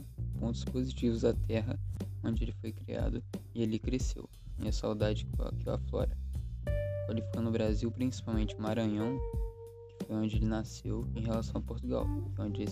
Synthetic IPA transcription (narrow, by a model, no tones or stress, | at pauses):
põnt̪ʊ̥spozit͡ʃivʊzat̪ɛɦɐõnd͡ʒɪelɪfojkɾia̰d̪ʊɪelɪkɾesḛw | ḭ̃ɐsawd̪ad͡ʒɪkkiwa̰flɔ̰ɾɐ | kalifkonʊbɾaziwpɾĩsi̥pawmẽnt͡ʃɪũmaɾɐ̃ɲɐ̃w̃ | kɪ̥fojõnd͡ʒɪelɪnasewẽj̃ɦelasɐ̃w̃ɐpoɾt̪uɡa̰wõd͡ʒɪe